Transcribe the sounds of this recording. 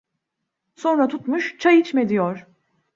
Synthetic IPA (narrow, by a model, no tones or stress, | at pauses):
so̞nɾat̪ʰut̪muʃt͡ʃʰajit͡ʃme̞d̪ijoɾ̥